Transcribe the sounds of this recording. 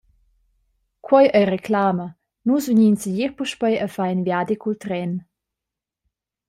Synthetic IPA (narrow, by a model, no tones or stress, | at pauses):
kʰwɔjəjrekʰlaːmə | nusvuɲinsiʎiɾpuʃpəjəfajnvjad̪ikult̪ɾɛn